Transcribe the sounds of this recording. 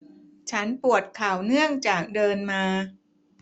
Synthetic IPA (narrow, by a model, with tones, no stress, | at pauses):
t͡ɕʰa˦˥npu˨˩ət̪̚kʰaː˨˩wnɯ˥˩əŋt͡ɕaː˨˩k̚dɤː˧nmaː˧